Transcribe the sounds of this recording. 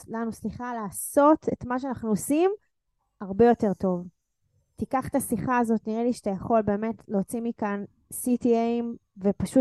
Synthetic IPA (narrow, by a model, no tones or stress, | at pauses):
lanusliχalaːso̞tetmaʃeanaχnuosim | aʁbe̞jo̞te̞ʁto̞v | tikaχt̪asiχaːzo̞tniʁeliʃat̪ajaχo̞lbe̞ːme̞tlet͡simikan | sitieimvepaʃu